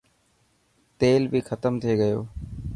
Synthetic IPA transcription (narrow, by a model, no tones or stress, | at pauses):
t̪eːlbʱixət̪əmt̪ʰieɡəjo̰ː